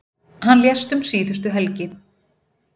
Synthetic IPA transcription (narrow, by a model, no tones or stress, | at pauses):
hanːljɛst̪ʏmsiːðʏst̪ʏɦɛlcɪ